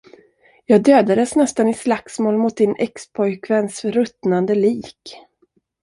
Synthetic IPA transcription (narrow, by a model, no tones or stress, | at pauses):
jɑːɡ̚d̪øːd̪ad̪əsnɛst̪anɪslaksmoːlmʊt̪̚d̪ɪnʔɛkspʰɔjkʰvɛnsɾɵt̪nand̪əliːk